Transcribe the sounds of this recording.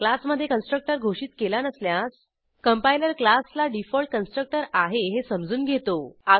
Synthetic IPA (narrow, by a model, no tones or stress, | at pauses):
klasməd̪ʱːjekənsʈɾək̚ʈəɾɡʱoʂiːt̪kelanəsljãs | kəmpailəɾklaslaɖifɔlʈ̚kənsʈɾək̚ʈəɾaɦeɦesəmd͡zuːnɡʱet̪oa